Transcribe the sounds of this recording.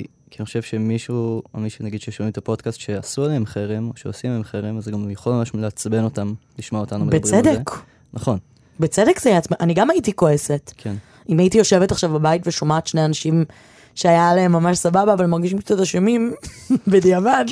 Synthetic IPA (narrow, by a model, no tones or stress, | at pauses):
kianiχoʃevʃemiʃuamiʃunaɡid̥ʃejoʃvimet̪apo̞dkastʃeasualeemχeʁemoʃeosiaemχeʁemazeɡamjoχolmamaʃleat͡sbe̞no̞tamliʃmoaotanubebebedek | naχo̞n | bet͡sedekzjat͡smiʔaniɡamajitiko̞ese̞tkʰen | imajitijoʃe̞vetaχʃavbabaitveʃo̞maːt̪ʃneanaʃim | ʃeajalaemːamaʃsababaːvalmaʁɡiʃimt͡sataʃemimbediavad